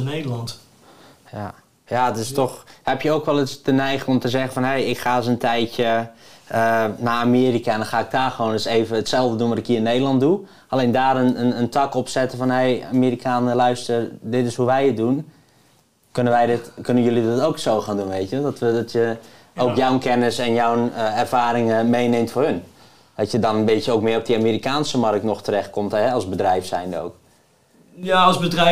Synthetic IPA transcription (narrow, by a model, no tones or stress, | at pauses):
nedəlɑnt | ja | jatɪstɔxhɛpjəoːkʋɛlˠɪstənɛjxɪŋomtəzɛxənfɔnɦejɪkxaːs̬əntʰɛjtjəənaamiːrikandɔnxaːɪk̚taːxəʋoːnɪseːvəətsɛlˠvdədunʋɔɾɪkiːnejdəlˠɑnt̚du | ʔaleːndaːrənənəntʰakɔpsɛtəfɔnheja̰miːɾikʰaːnəlœɥstərdɪtɪshuʋɛjɪt̚dun | kønənʋɛjdɪtkønənjølidɪtowksoːwxaːndunʋeːtjʋəlˠdɔtʋədɔtʰjə | owkjawnkʰɛnəsɛnjawənəɛrfaːɾɪŋmejneːmtfoːhɵn | dɔtjədɔnənbɪtjəoːkmɪəɔp̚diamiːɾikaːnsəmɑrk̚tnɔxtərɛxt̚kʰomtɦɛɔlˠsbədrɛjfsɛjndəo̰wk | jasbədr